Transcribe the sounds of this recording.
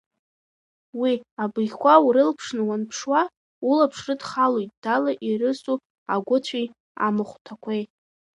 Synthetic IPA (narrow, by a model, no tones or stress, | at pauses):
wiabɨjʲkʷawuɾɨlpʰʂnɨwanpʰʂwa | ulapʰʂrɨdχalojt̚ʼd̥alaʔiɾɨsʼu | a̰ɡʷʊt͡ɕʷʰi | a̰mɨχʷtʰakʷʰej